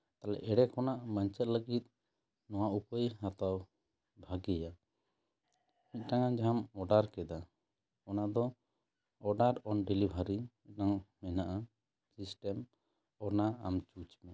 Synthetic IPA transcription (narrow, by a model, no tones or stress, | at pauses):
t̪alɛ̰ʔɛɽɛkʰɔnaʔmaɲt͡ʃɛt̪̚ləɡit̪̚ˀ | nɔwaʔupəjhat̪aw | bʱaɡɛja | mit̪̚ˀʈaŋand͡ʒamɔɖaɾkɛd̪a | ɔnad̪ɔ | ɔɖaɾɔnɖɛlibʱaɾimiʈaŋmɛnaʔa | sisʈɛm | ɔnaa̰mt͡ʃut͡ʃmɛ